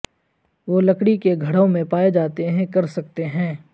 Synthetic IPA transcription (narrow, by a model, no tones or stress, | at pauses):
ʋoːlɐkɽikeɡʱɐɽõmẽpaːed͡ʒaːt̪eɦɛ̃kɐɾsɐk̚t̪eɦɛ̃ː